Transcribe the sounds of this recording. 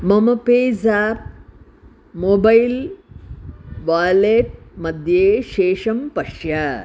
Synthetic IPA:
mɐmɐpeːzaːp̚ | moːbɐjl | ʋaːleːʈ̚mɐd̪ʱjeːʃeːʂɐmpɐʂjɐ

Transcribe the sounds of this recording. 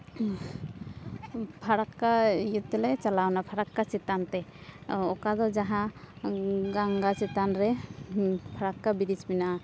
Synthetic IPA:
pʰaɾakːajut̪ːɛlɛt͡ʃalawnapʰaɾakːat͡ʃit̪ant̪ɛɔkad̪ɔd͡ʒaɦa | ɡaŋɡat͡ʃit̪anɾɛ | pʰaɾakːabidit͡ʃmina

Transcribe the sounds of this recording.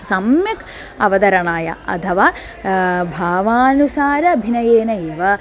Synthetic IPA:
sɐmjɐk | ɐʋɐd̪ɐɾɐɳaːjɐ̰ɐ̰t̪ʰɐʋaː | bʱaːʋaːnusaːɾɐbʱinɐjeːnɐeːʋɐ

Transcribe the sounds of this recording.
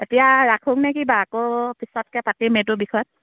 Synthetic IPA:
etijaɹakʰuŋnɛkibaːkopʰisɔtkɛpatimetʊbikʰɔt̚

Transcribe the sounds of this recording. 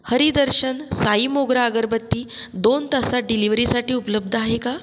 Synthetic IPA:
həɾid̪əɾɕənsaiːmoɡɾaəɡəɾbət̪ːiːd̪ont̪əsaɖiliʋɾisaʈiːupələb̚d̪ʱəaɦeka

